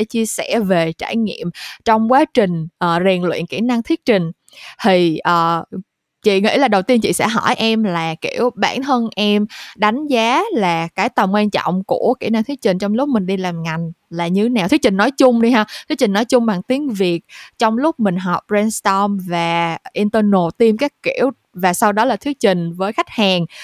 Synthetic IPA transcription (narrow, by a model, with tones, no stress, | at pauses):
e˧˩t͡ɕi˧əsɛ̰˧˩ve˨˩t͡ɕa̰ː˧˩jŋḭ˧˨əmt͡ɕɔ˧wŋ͡mkwaː˨˦t͡ɕï˨˩ŋ̟ʔəː˨˩zi˨˩nlwḭ˧˨nkḭ˧˩na˧ŋt̪ʰi˦˥ək̚t͡ɕï˨˩ŋ̟ | t̪ʰi˨˩ʔəː˨˩ | t͡ɕḭ˧˨ŋḭ˧˥laː˨˩ɗə˨˩wt̪i˧ənt͡ɕḭ˧˨sɛ̰˧˥ɦɔ˧˩jʔɛ˧mlaː˨˩kḭ˧˩əwɓa̰ː˧˩nt̪ʰə˧nʔɛ˧mɗa˨˦jŋ̟zaː˨˦laː˨˩kaː˨˦jt̪ə˨˩mŋwɛ˧nt͡ɕɔ̰˧˨wŋ͡mku˧˩əkḭ˧˩na˧ŋt̪ʰi˦˥ək̚t͡ɕï˨˩ŋ̟t͡ɕɔ˧wŋ͡mlʊ˦˥k͡p̚mï˨˩ŋ̟ɗi˧laː˨˩mŋa˨˩jŋ̟laː˨˩ɲɨ˧na˨˩t̪ʰi˦˥kt͡ɕŋ̟nɔ˨˦jt͡ɕʊ˧ŋ͡mɗi˧ɦaː˧t̪ʰi˦ək̚t͡ɕï˨˩ŋnɔ˨˦jt͡ɕʊ˧ŋ͡mɓaː˨˩ŋt̪i˨˦əŋvi˨˩ək̚t͡ɕɔ˧wŋ͡mlʊ˦˥k͡p̚mï˨˩ŋ̟ɦɔ˨˩wp̚zɛ˧nst̪ɔ˧mvaː˨˩ʔi˧nt̪əː˧no˨˩t̪i˧mkaː˦˥jkki˧˩əw | vaː˨˩sa˧wɗɔ˨˦laː˨˩t̪ʰi˦ək̚t͡ɕï˨˩ŋ̟vəː˨˦jxa˦˥jk̟̚haː˨˩ŋ